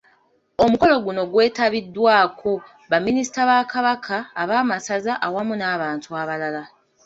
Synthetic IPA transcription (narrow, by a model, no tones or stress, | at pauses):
o̞muko̞lo̞ɡuno̞ɡwe̞ːtaβidːwaːkʰo̞ | βamːinisi̥taβaːkaβakʰaːβaːmasazaʔawamunaːβaːntuaβalala